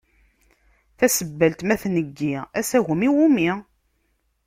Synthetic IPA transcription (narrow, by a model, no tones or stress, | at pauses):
θæsəbːəlt̪mæθnəɡːiæsæʝəmiwumi